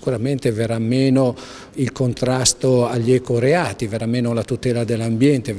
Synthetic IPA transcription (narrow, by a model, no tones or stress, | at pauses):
kuɾament̪eveɾamːeːno | ilkont̪ɾast̪oaʎːɛkoɾeaːt̪iveɾameːnolat̪ut̪ɛːlad̪elːambjɛnt̪e